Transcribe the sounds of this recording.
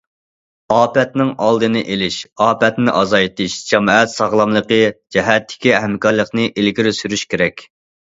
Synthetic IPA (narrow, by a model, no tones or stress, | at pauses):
ɑːpɛt̪nɪŋɑlˠd̪ɨnɨʔelɪʃɑːpɛt̪nɪʔɑzɑjt̪ɨʃd͡ʒɑmɛt̪sɑʁlˠɑmlˠəqəd͡ʒɛɦɛt̪ʰːɪ̥kʲiɛɦɛmkɑɾlˠəqnɨʔelɡʲiɾɪsyɾyʃkʲʰeɾɛkʲ